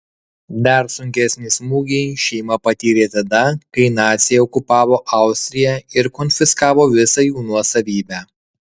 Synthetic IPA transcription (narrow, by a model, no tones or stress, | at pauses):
d̪ɐɾsʊŋʲkʲɛsʲnʲɪsmuːɡʲɛɪʃʲɛɪmɐpɐt̪ʲiːɾʲeːt̪ɐd̪ɐkɐɪnɑːt̪sʲɪjɛɔkʊpɑːʋoːʔɐˑʊsʲt̪ʲɾʲɪjɛɪɾkɔːnʲfʲɪskɑːʋoːʋʲɪsɐjuːnuɔsɐʋʲiːbʲæː